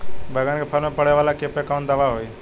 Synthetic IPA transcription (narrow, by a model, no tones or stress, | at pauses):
bʱəɡənkʰepʰəɾmẽpəɽ̤eʋaːlakeːpekaʊ̃nʈ̪d̪əʋaɦoːiː